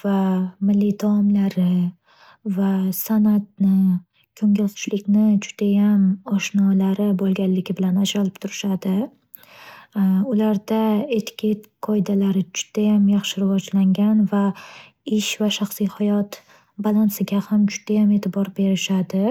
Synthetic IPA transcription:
v̥amɪlːid̪ʰaɒmlaɾɪ | vasanat̪̚nɪ | kʲʰɵŋʲɪlt̪ʰʊ̥ʃlɪkʲnɪd͡ʒʊ̥d̪̥ajamɒʃnɒlaɾɪbolˠɡʲalːɪɡʲɪbɪlanad͡ʒɾalɪp̚t̪ʰʊɾɪʃad̪ɪ | ʊlaɾd̪aet̪kʲʰet̪qʰɒjɪd̪alaɾɪd͡ʒʊ̥d̪̥ajamjɑχʃɪɾɪvɒd͡ʒlaŋɡʲanva | ɪʃvaʃaχsijhajɒt̪ | balˠansɪɡʲahamd͡ʒʊd̪̥ajame̞t̪ʰɪbɒɾbe̞ɾɪʃad̪ɪ

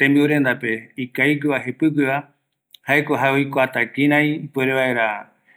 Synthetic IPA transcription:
t̪ẽmbiuɾend̪ape̞ikaiɡɨʋaɦepɨɡɨa | haekoɦaojkoat̪aɡiɾãĩpueɾeʋaeɾa

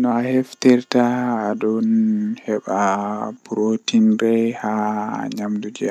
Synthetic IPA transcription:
nɔahɛftɛɾtaːdɔnhɛɓabuɾotinɾɛhaɲamdud͡ʒɛa

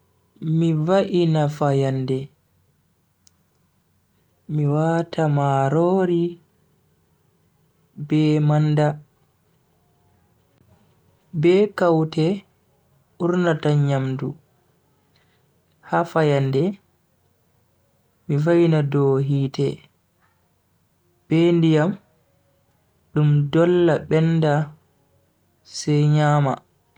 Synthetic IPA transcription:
mivaʔinafajandɛ | miwatʰamaɾoːɾi | bɛmanda | bɛːkawtɛ | ʔuɾnataɲamdu | hafajandɛ | mivajnadɔɦiːtɛ | b̥ɛndijam | ɗumdɔlːaɓɛnda | sɛjɲaːma̰

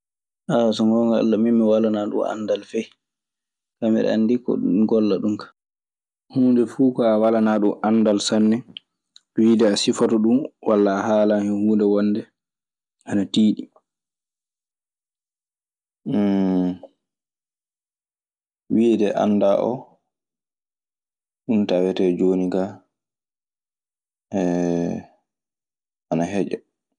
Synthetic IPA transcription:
ʔasɔŋɡɔŋɡaa̰lːamimːiwalanaɗṵma̰ndalfɛj | kamɛɾɛ̰a̰ndikːɔ̰uɡɔlːaɗumkḁ | huːndɛfukɔawalanaɗumanːdalsanːɛ | widɛasifatɔɗumwalːahalahɛhuːndɛwɔnːdɛ | ʔanatiːɗi | widɛʔa̰nːdaʔɔ̰ | ɗuntawɛtɛd͡ʒoniɡa | ɛ | anaɦɛd͡ʒɛ̰

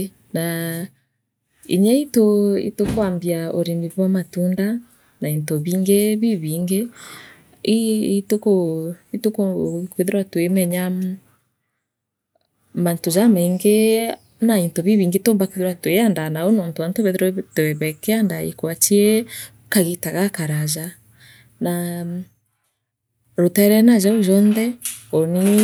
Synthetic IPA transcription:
na | ḭɲɛitoḭtokoambiaoɾiniβwamatunda | naintoβiːŋɡeβiβiːŋɡe | tokoitokokweðeɾwatwemɛɲa | mantoʒamaiŋɡe | naintoβiβiːŋɡetoːmbakweðeɾwatwejandanaonɔːntoantoβɛðɾtoɛβɛkɛandaḭkwatiɛ | kaɣitaɣakaɾaʒa | na | ɾotaɾɛnaʒaoʒɔnðɛɔni

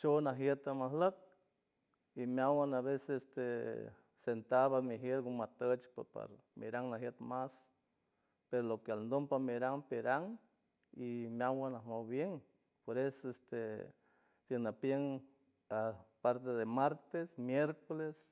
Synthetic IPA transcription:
t͡ʃonaɦjet̪amaɦlək̚ | imʲawanaβesesest̪e | sent̪aβamiɦjeɾɡumat̪ət͡ʃpapa̰ɾmḭɾaŋnaɦjet̪mas | peɾolokealnd̪ompamiɾaŋpeɾaŋ | imjawanahmowbjeŋ | poɾesoest̪e | t̪jeŋnapjeŋ | apaɾt̪eðemaɾt̪esmjeɾkoles

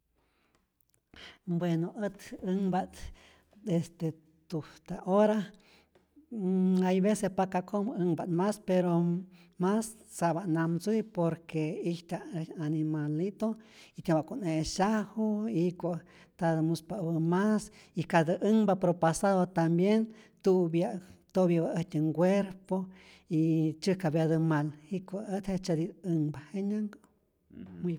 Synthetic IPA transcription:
bwenoʔət̪əŋbat̪ | d̪est̪e | t̪uht̪aʔoɾa | ajβesespakakoməŋbat̪maspeɾo | masːaβaʔnamsujpoɾkeiht̪aanimalit̪oit̪jebaʔkʷoneʃahoikʷa | t̪ad̪əmuspaʔbəmas | ikad̪əʔəŋbapɾopasaðot̪ambjent̪ubjat̪objabaət̪ʲəŋɡʷeɾpo | it͡ʃɨkabjad̪əmalikʷaət̪het͡ʃad̪id̪ɨŋbaheɲaŋɡo | m

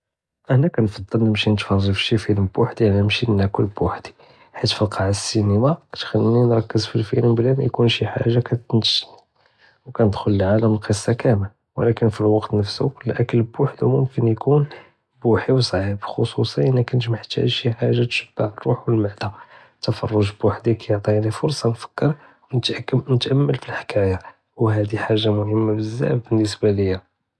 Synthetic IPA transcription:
ʔəhnækænfɑd̪ˤːɑlnəmʃinət̪fɑrˤʒifʃifiləmbuħd̪ilimʃimənʔækəlbʊħd̪̥i̥ | ħit̪fəlqʰɑʕsːinəmakæ̥t̪xælːinɾˤɑkːəzfilfḭlmblænjkunʃiħa̰ʒːakæt̪nʃ | wkænəd̪xʊləʕaləməlqəsˤːɑkæməl | wəlækənfilwɑqt̪nəfsulʔækəlbʊħd̪umʊmkənjkʰun | buħiwsˤʕibxosusˤiənːækænʒmaħt̪æ̰ʃiħaʒːat̪ʃəb̥ːaʕərˤːuħwəlmaʕd̪a | t̪ːɑfɑ̰rˤːʊʒbwaħd̪ikʰæjoʕt̪ˤijaʕnifʊɾsˤɑnfə̥kːəɾˤ | wnət̪ʔnət̪ʔæmːəlfilħḁkʰæja | wɦæd̪iħaʒːamʊhəmːabəzːæ̰bbənːəsbaləjːa

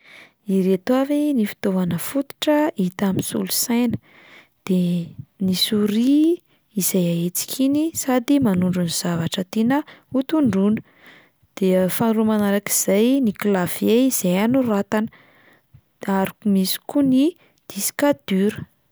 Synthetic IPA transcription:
iɾet̪wavinifi̥t̪ovanəfut̪u̥ʈ͡ʂəit̪aminsṵlusajnə̥ | d̪̥enisuɾiː | zajaet͡si̥kʰinisad̪imanuɳɖ͡ʐuniz̥avaʈ͡ʂət̪inəut̪uɳɖ͡ʐunə̥ | d̪̥efanuɾumanaɾaki̥z̥ajniklav̥eiz̥ejanurat̪anə | aɾukumisi̥kuni | d̪̥isi̥kad̪̥yɾə̥

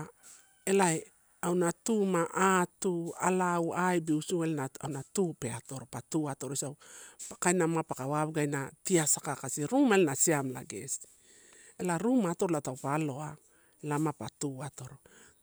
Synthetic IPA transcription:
elae | awnatumaʔatualawajbiusuelenaawnatupe̞ato̞ɾopatuato̞ɾosawpakajnamapakawaβɡajnatiasakakasiɾumaelenasiamla̰ɡe̞̰si̥ | elaɾumaːto̞ɾoatawpalo̞a | lamapatuato̞ɾo

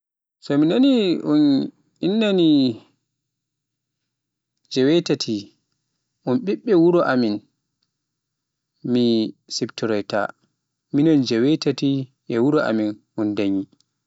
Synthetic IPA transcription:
sɔminaniʔun | inːani | d͡ʒɛwɛtatʰi | ʔunɓiɓːɛwuɾɔʔamin | misiptuɾɔjta̰ | minɔnd͡ʒɛwɛtati | ʔɛwuɾɔʔa̰minʔundaɲi

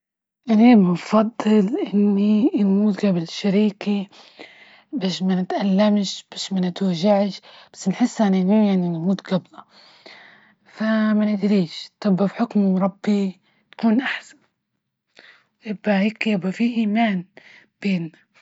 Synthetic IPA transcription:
ʔaniːbɪnfɑd̪ˤːɨlʔɪnnːinmuːt̪ɡablʃaɾiːki | baːʃmanɪt̪ʔalːamʃb̥aːʃmanɪt̪waʒaʕʃb̥ḁsːnħɪsːʔanʔnhiːjaʕninmuːt̪ɡabla | famanɪd̪ɾiːʃt̪ˤɨbːafħʊkmɾˤɑbːi | t̪ḁkuːnʔaħsḁn | wʔɪbːaiːkabafiːʔiːmaːn | b̥eːnːa

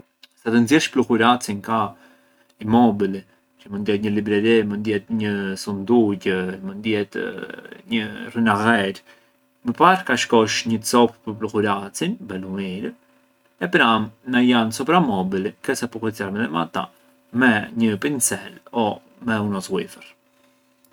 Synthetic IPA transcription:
sat̪ənzjɛʃplukuɾat͡sinka | imɔbili | t͡ʃəmənd̪jɛt̪ɲəlibɾɛɾimənd̪jɛt̪ɲəsund̪uɟəmənd̪jɛt̪ | ɲərinaɣɛɾ | məpaɾkaʃkɔʃɲət͡sɔppəɾblukuɾat͡sinbɛlumiɾ | ɛpɾamnajansɔpɾamɔbilikɛsapɔklɛt͡saɾmɛðɛma̰t̪a̰ | mɛɲəpint͡sɛlɔ | mɛunɔswifəɾ

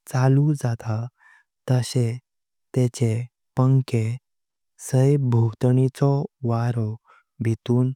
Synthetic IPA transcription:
t͡salud͡zat̪a | t̪əɕe | t̪et͡ɕe | pəŋke | səjbʱut̪ɳit͡sɔʋaɾɔ | bʱit̪uːn

